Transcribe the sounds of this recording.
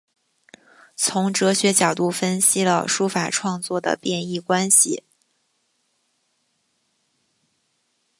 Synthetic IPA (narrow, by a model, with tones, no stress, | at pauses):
t͡sʰʊ˧˥ŋʈ͡ʂɤ˧˥ɕɥɛ˧˥t͡ɕjɑ˨˩ʊt̪u˥˩fə˥nɕi˥lə̰˨ʂu˥fa˨˩ʈ͡ʂʰwɑ˥˧ŋt͡swɔ˥˩d̪ə̰˩pjɛ˥˧ni˥˩kwa˥nɕḭ˨˩